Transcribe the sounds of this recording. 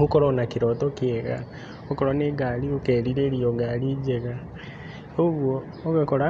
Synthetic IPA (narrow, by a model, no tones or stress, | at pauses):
hukoɾonakiɾɔtokieɣa̰ | okoɾoneɡaliokeːɾiɾeɾioɡaliːd͡ʒeɣa | oɣwoː | ɣakoɾa